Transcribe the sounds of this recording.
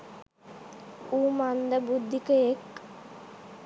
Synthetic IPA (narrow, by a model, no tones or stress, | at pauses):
uːmand̪əbud̪ʱːikəek